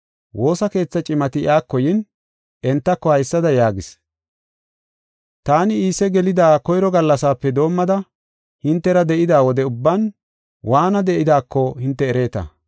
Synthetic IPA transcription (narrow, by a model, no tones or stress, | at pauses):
wʔo̞ːsɐke̞ːt͡sːɐt͡ʃʼɪmɐt̪ɪj̰aːkːɔjɪn | ɛnt̪ːɐkːɔhɐjsːɐd̪ɐjaːɡɪs | t̪aːnɪiːsɛɡɛlɪd̪aːkɔjɾɔɡɐlːɐsaːpːɛd̪o̞ːmːɐd̪ɐ | hɪnt̪ːɛɾɐd̪ɛʔɪd̪aːwɔd̪ɛʊbːɐn | waːnɐd̪ɛʔɪd̪aːkːɔhɪnt̪ːɛːɾe̞ːt̪ɐ̰